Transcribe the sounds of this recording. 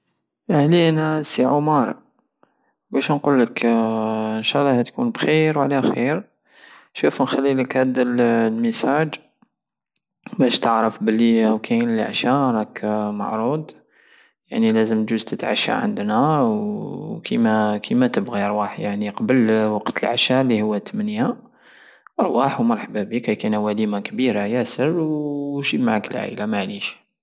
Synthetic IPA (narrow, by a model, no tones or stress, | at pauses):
ʔəhliʔænæsʕʊmɑɾˤ | bæʃnqulːək | ənʃɑlˤːɑhæt̪kunbxiɾwʕlæxiɾ | ʃufnxælːiləkhæd̪əllməsæd͡ʒ | bæʃt̪əʕɾəfbəlːiwkʰænlḭʕʃæɾˤɑkma̰ʕɾˤud̪ | ja̰ʕnilæzəmt̪ʒuzt̪ət̪ʕa̰ʃːa̰ʕə̰nd̪næwwkʰimækʰimæt̪əbɣiəɾˤwaħjaʕniqɑbəlwɑqt̪əlʕaʃalːihʊwːæt̪əmənja | ʔɑɾˤwaħwmɑɾˤħabæbikæjkunæwælimakbiɾajæsəɾwʃimaʕakəlʕa̰lamaʕliʃ